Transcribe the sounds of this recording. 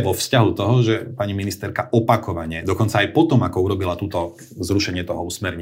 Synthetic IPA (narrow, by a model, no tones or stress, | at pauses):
ʋɔfscaɦut̪ɔɦɔʒɛpaɲiminist̪ɛɾkaʔɔpakɔʋaɲɛd̪ɔkɔnt͡saːjpɔt̪ɔmakɔuɾɔbilat̪ut̪ɔ | zɾuʃɛɲɪɛt̪ɔɦɔusmɛɾɲɛ